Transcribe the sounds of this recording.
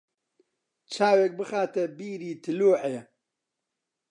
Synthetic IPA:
t͡ʃʰaːwek̚bɨxaːt̪ɛbiːɾiːt̪ʰɨluːʕejɛ

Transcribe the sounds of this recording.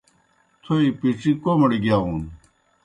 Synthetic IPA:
t̪ʰoipiʈ͡ʂikomɐɽiɡjaːun

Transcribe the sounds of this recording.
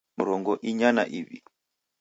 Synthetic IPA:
uɾɔŋɡɔʔiɲana̰ʔiβḭ

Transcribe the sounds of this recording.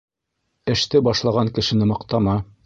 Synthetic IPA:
ɘ̆ʃt̪ɘbɑʃlˠɑʁɑŋkɘ̆ʃɘ̆nɘmɑqt̪ɑmɑ

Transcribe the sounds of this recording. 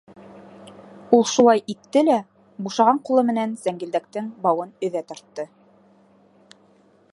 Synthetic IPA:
ulˠʃulˠɑjʔit̪ːɘlæ | buʃɑʁɑɴqulˠɤmɘ̆nænz̥æŋɡĭld̪æk̚t̪ɘŋbɑwɤnɵ̆ðæt̪ɑ̆ɾt̪ːɤ

